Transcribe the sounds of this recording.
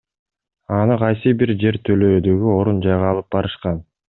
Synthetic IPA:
ɑnɯqʰɑjsɨbiɾd͡ʒe̞ɾt̪ʰølø̞ːd̪øɡyo̞ɾund͡ʒɑjʁɑːlˠɯp̚bɑɾɯʃqɑn

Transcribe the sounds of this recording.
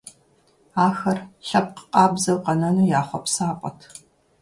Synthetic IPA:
aːxɐrɬɐp̚qə̥qʼɑːbzɐwqɐnɐnuːjaːχʷɔpsaːpʼɔtʰ

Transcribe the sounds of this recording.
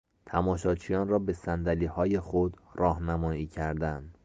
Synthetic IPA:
t̪ʰæmɒːʃɒːt͡ʃʰijɒːnrɒːbe̞sænd̪æliːhɒːje̞xod̪rɒːhnæmɒːiːcʰæɾd̪ænd̪

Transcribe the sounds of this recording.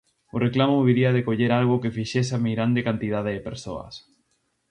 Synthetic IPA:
ʊreklamʊβiɾiaðekoʎeɾalɣʊkefiʃesameɣɾand̪ekant̪ið̞aðeðɪpeɾso̰ɐ̰s

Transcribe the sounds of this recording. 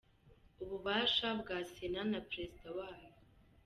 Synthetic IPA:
uβuβaːʃabɡaːsenanapɾezidawaːjo

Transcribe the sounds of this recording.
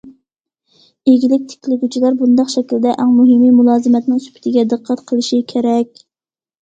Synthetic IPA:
eɡʲilɪk̚ʲt̪ʰɪ̥kʲʰlɪɡʲyt͡ʃʰilɑɾbund̪ɑqʃɛkʲlɪd̪ɛʔæŋmuɦɪmimulˠɑːzɨmɛt̪nɪŋsy̥pʰɪ̥t̪ʰɪɡʲɛd̪əqʰːæt̪qʰəlˠɨʃikʲʰeɾɛkʲ

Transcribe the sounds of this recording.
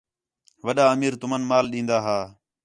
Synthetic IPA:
ʋəɗaːəmiːɾt̪ʊmənmaːlɗĩːnd̪aːɦaː

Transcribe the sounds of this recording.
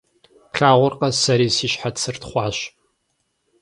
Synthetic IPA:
pɬaːʁʷʊrqʼɐsɐɾiːsiːʃħat͡sʰɨrtχʷɑːɕ

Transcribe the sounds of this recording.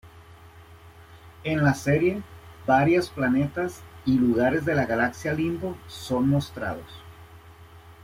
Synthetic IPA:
enlase̞ɾje̞baɾjosplane̞t̪asiluɣaɾe̞zðe̞laɣalaksjalimboso̞nmo̞st̪ɾa̰ð̞os

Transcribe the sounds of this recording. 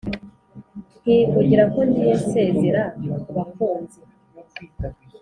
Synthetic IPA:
hiːkuɟiɾako̞ndijese̞ːzeɾaβafuːnze

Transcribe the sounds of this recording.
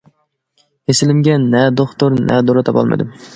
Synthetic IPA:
hesɪlɪmɡʲɛnɛd̪oχt̪oɾnɛ̰d̪oɾɨt̪ʰɑpɑ̰lˠmɨ̰d̪ɪm

